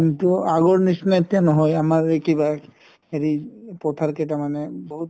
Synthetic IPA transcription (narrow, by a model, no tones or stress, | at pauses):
mit̪uaɡɔɹnisnajt̪ːjanɔɦɔjamaɹekiba | eɾipɔt̪ʰaɾketamanɛbɔɦut